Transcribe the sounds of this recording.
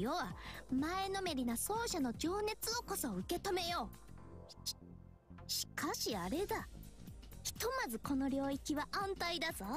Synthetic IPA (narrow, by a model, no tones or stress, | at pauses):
joβamaeno̞me̞ɾʲinaso̞ːɕano̞d͡ʑoːne̞t͡sɨo̞ko̞so̞ɯ̟ke̞t̪o̞me̞jo̞̥ː | ɕi̥kaɕiaɾe̞d̪a | çi̥t̪o̞mazɨko̞no̞ɾʲo̞ːikʲiβaʔãnt̪aid̪azo